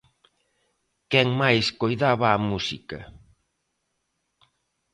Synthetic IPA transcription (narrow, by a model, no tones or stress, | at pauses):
kɛŋmajskojðaβaːmusikɐ̰